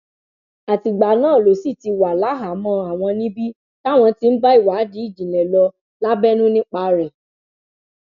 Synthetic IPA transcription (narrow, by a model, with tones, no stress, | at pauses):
a˨ti˨ɡ͡ba˨nãː˦˨lo˨si˦˨ti˧wa˨la˨˦ɦa˨˦mɔ̃˧a˨w̃ɔ̃˧nĩ˦bi˦ | ta˦˨w̃ɔ̃˧ti˧n̩˦ba˦i˦˨wa˨˦di˨˦i˦˨d͡ʒĩ˨nɛ̃˨lɔ˧ | la˦bɛ˦nũ˦nĩ˦k͡pa˧ɾɛ˨